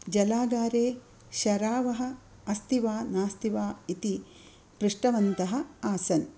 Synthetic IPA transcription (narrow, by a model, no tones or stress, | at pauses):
d͡ʒɐlaːɡaːɾeː | ʃɐɾaːʋɐɦɐ̆ | ɐst̪iʋaːnaːst̪iʋaːit̪i | pɾiʂʈɐʋɐnt̪ɐɦɐ̆aːsɐn